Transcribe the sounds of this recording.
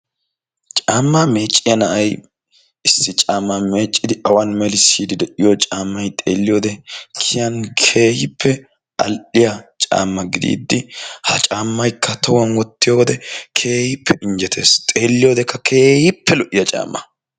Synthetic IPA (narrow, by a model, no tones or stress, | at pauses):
t͡ʃʼaːmːame̞ːt͡ʃʼːɪjɐnɐʔɐj | ɪsːɪt͡ʃʼaːmːame̞ːt͡ʃʼːɪd̪ɪɐwɐnmɛlɪsiːd̪ɪd̪ɛʔɪjot͡ʃʼaːmːɐjt̪ʼeːlːɪjoːd̪ɛkʰɪjɐnkʰe̞ːhɪpʰːɛ | ɐ̰lʔɪjɐt͡ʃʼa̰ːmːɐɡɪd̪ḭːd̪ːɪhɐt͡ʃʼaːmːɐjkːɐt̪ʰɐwɐnwɔt̪ːɪjoːwɔd̪ɛkʰe̞ːhɪpʰːɛɪnd͡ʒɛt̪ʰe̞̰ːst̪ʼeːlːɪjoːd̪ɛkːɐkʰe̞ːhɪpʰːɛlɔʔɪjɐt͡ʃʼa̰ːmːɐ̰